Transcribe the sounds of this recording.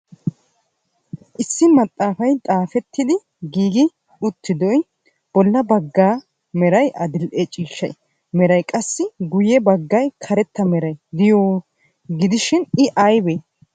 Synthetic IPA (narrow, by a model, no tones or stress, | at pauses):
ʔɪsːɪmɐt̪ʼːaːfɐjt̪ʼaːfɛt̪ːɪd̪ɪ | ɡiːɡɪ | ʊt̪ːɪd̪ɔj | b̥ɔlːɐbɐɡːaː | mɛɾɐjʔɐd̪ɪlʔet͡ʃʼiːʃːɐ̰j | mɛɾɐjkʼɐsːɪɡʊjɛbɐɡːɐjkʰɐɾɛt̪ːɐmɛɾɐjd̪ɪjoː | ɡɪd̪ɪʃɪnɪʔɐjbeː